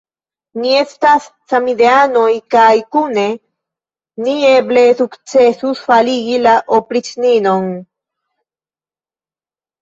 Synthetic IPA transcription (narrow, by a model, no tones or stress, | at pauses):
nie̞st̪asːamid̪eanojkajkune̞ | nieblesukt͡sesusfaliɡilaʔopɾit͡sninon